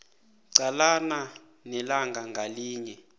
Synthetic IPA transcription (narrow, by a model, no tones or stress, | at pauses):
ǀalana | nɛlaŋɡʱaŋɡʱaliːɲɛ